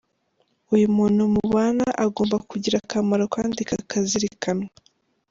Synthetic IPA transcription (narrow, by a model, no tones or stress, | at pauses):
ujumuːnhumuβaːnaʔaɡo̞ːmbakuɟiɾakamaɾokaːndika̰kaziɾikʰanwa